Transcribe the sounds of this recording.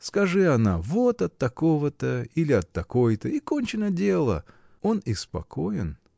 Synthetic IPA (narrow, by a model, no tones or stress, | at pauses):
skɐʐɨɐnavot̪ɐt̪ːɐko̞vət̪əilʲɪɐt̪ːɐko̞jt̪əikonʲt͡ɕɪnədʲe̞lˠə̰ | o̞nɪspɐ̰kʰo̞jɪn